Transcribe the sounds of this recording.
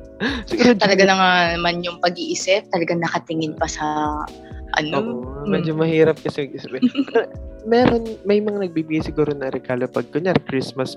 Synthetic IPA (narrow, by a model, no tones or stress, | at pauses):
sɪɡuːɾot̪ɐlɐɡanɐŋanɐmanjʊŋpɐɡiʔɪsɛp̚t̪ɐlɐɡaŋnɐkɐt̪ɪŋɪnpɐsɐ | ʔɐ̰noːʔomɐd͡ʒomɐhiːɾɐp̚kɐsɛmɐɡisbɛpɛɾomɛːɾo̞nmɐjmɐŋanɐɡ̚biːbɪɡajsɪɡuːɾonɐɾɛɡ̥aːlopɐɡ̚koɲaɾkɾismɐs